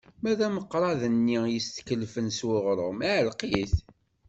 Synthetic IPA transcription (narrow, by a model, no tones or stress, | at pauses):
mæðæməqːɾˤɑðənːijəst̪kəlfənswʊʁɾˤomæʕəlqiθ